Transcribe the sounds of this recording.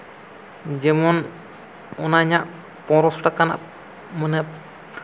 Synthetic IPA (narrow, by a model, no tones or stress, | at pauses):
d͡ʒɛmɔn | ɔnaɲaʔ | pɔ̃ɾɔsʈakana̰ʔ | mənəp